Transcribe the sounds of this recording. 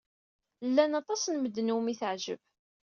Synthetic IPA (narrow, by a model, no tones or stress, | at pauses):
lːænɑt̪ˤɑsnməd̪ːnumiθəʕʒə̰b